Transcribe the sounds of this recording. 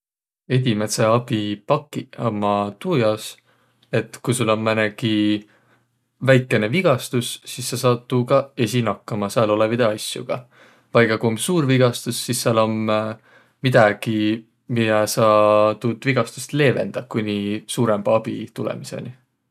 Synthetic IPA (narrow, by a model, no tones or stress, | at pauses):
e̞d̪ʲimeseɑb̥ipɑkːˑiɑmɑt̪ujɑs | e̞t̪ːˑkujsulːo̞nmæneki | væjkːˑe̞ne̞viɡ̥ɑst̪usːisːɑsɑt̪ːˑukɑe̞sinɑkːɑmɑsæɑlo̞levid̪̥eɑsʲjṵɡ̥ɑ̰ | vɑjkːɑkuomsuːɾviɡ̥ɑst̪usːisːɑlo̞mː | id̪̥ɑɡ̥i | mid̪ɑsɑt̪uːd̪̥viɡ̥ɑst̪u̥st̪le̞ːve̞̰nd̪̥ɑkunʲisuːɾemb̥ɑb̥ḭt̪ulḛmisḛni